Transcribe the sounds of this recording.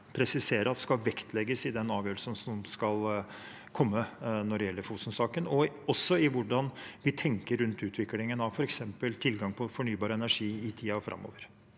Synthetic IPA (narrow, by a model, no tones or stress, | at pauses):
pʰɾɛsɪseːɾʔəɑt̪ɛskɑlʋɛkt̪ʰlɛɡəsɪd̪ɛnɑːʋjøːɾəsənsɔmskɑl | kʰɔmːənɔɖɛjɛlːəɾfuːsnsɑːkənɔɔsːɔɪʋʊɖɑnʋɪt̪ʰɛŋkəɾʉnt̪ʉːt̪ʰʋɪklɪŋənɑʋfɔɾɛksɛmpəlt̪ʰɪlɡɑŋpʰɔfɔɳyːbɑːɾəɛnæʂiːɪt̪ʰiːɑfɾɑ̰mːo̰ːʋəɾ